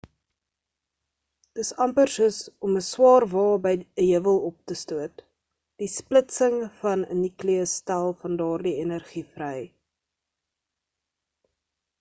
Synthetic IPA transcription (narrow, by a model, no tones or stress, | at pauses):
d̥əsɐmpərsəsɔməswɑːrvɑːbəjəɦivəlˠɔp̚təstuət | d̥isplətsəŋfɐnənikliəstælˠfɐndɑːrdienərχifrəj